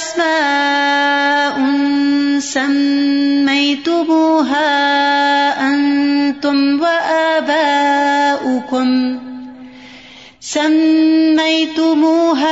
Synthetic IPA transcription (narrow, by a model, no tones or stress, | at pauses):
smaː | ʔʊnsamː | ajt̪ʊmuːɦaː | ʔant̪ʊmwaʔaːbaːʔʊkʊm | samːajt̪ʊmuːɦa